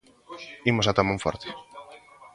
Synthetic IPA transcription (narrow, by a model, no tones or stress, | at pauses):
imosat̪amõɱfɔ̰ɾt̪e̥